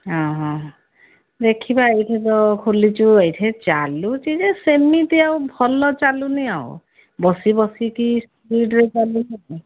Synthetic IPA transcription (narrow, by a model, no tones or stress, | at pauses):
ɦɔ̃ɦɔ̃ | d̪ekʰibaejʈʰɛt̪ɔkʰolit͡ʃuejʈʰɛt͡ʃalut͡ʃid͡ʒesemit̪ijawbʱɔlɔt͡ʃaluniao̰ | bɔsibɔsikis | ɾiɖɾet͡ʃalunaɦ